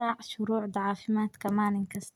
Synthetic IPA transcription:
aːʕʃʊɾuːʕd̪aʕaːfɪmaːt̪kamaːnɪnkast̪

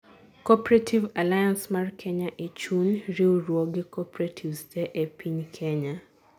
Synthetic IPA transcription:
kɔpɾatʰivalajansmarkʰɛɲaʔet͡ʃunɾiorwoɡɪkɔpɾatʰivstɛʔepʰiɲkʰɛɲa

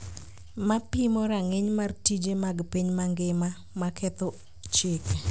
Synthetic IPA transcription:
mapimɔɾaŋeɲmartid͡ʒemaɡpiɲmaŋɡɪma | makʰɛt̪o | t͡ʃek

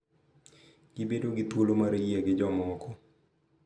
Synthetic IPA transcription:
ɡ̥ɪbedoɡɪt̪wolomaɾejɛɡɪd͡ʒɔmɔɔkɔ

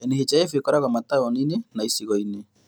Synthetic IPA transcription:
ɛneɦet͡ʃaefekɔɾaɣamataɔninenaisiɣɔine

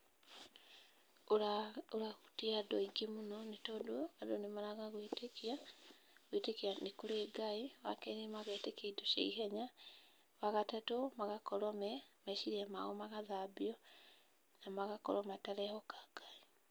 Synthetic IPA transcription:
oɾaɣutiadɔiɡemunɔnetɔdoadonemaɾaɣaɣwetekia | ɣwetekianikuɾeɡaiwakenemaɣetekeidoʃḛiɦɛɲa | waɣatatomaɣakɔɾɔmɛmaʃiɾiamaɣomaɣaðabiɔ | namaɣakɔ̰ɾɔmataɾɛhɔkaɡ̥ai

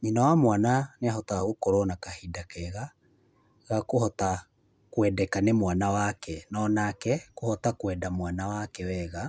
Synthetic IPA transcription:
ɲinawamwananeaɦɔtaɣokoɾɔnakahidakɛɣa | ɣakoɦɔta | kwɛdɛkanemwanawakɛnɔnakɛkohɔtakwɛdamwanawakɛwɛɣa

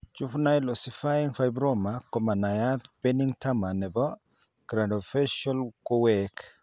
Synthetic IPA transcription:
t͡ʃufnajlɔsifajiŋfajbɾɔmakɔmanajat̪pɛniŋtamanɛbɔ | ɡ̥ɾadɔfɛʃalkowɛk

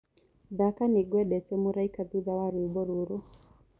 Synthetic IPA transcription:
ðakaniɡwɛɗɛtɛmuɾaikabiðawaɾubɔɾuɾu

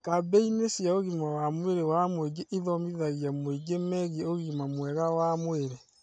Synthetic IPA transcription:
kabeinesjaoɣimawamweɾewamweɡeʔiðɔmiðaɣiamoeɡemɛɣioɣimamwɛɣawamweɾe

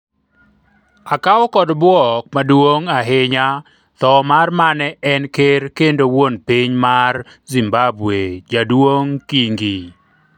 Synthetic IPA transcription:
akaɔkɔdbwɔk̚madwoŋaɦɪɲa | t̪ɔmarmanɛɛnkerkendowonpiɲmar | zimbabwed͡ʒadwoŋkiŋɡi

